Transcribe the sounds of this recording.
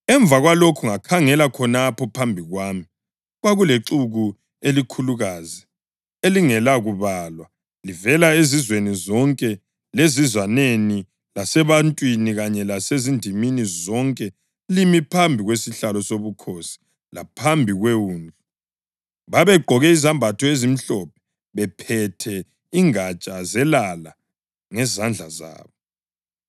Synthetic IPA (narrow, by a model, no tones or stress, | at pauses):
ɛɱb̪vʱaɣwalokʰuŋakʰaŋɛlakʰɔnapʰɔpʰambʱiɣwaːmi | ɣwaɣuleǀuɣu | elikʰuluɣaːzi | eliŋɛlaɣuβaːlwa | livɛlaezizwenizɔŋkʼɛ | lezizwaneni | lasɛβantʼwiniɣaɲɛlasezindʱiminizɔŋkʼɛ | limipʰambʱiɣwesiɬalɔsoβukʰosi̥ | la̰pʰambʱiɣwewuːnd͡ɮʱu | βaβɛɡ͡ǃʱɔɣɛizambʱatʰɔezim̩ɬɔp̚ʰɛ̥ | βɛpʰɛtʰɛ | iŋat͡ʃʼazɛlala | ŋɛzand͡ɮʱaza̰ːβɔ